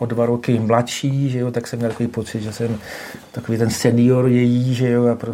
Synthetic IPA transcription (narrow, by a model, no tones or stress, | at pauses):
ʔodvaɾokɪmlaʃiːʒɛjot̪aksɛmːɲɛlt̪akoviːpo̞t͡sɪd̪ʒɛsɛm | t̪ako̞viːt̪ɛnsɛnɪjoɾjɛjiːʒɛjoapɾo